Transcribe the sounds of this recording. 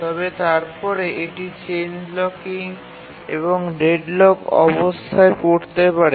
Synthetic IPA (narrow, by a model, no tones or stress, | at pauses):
t̪ɔbet̪aɾpɔɾeʔeʈit͡ɕend͡ʑlɔkiŋ | ḛβoŋɖeɖlokɔ̰bost̪ʰaekoɾt̪epaɾe